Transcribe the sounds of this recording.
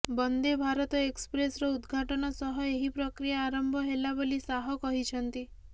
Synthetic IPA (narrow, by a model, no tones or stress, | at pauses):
bɔnd̪ebʱaɾɔt̪ɔekspɾesɾɔud̪ɡʱaʈɔnɔsɔɦɔeɦipɾɔkɾijaːɾɔmbʱɔɦelabolisaɦɔkɔɦit͡ʃʰɔnt̪i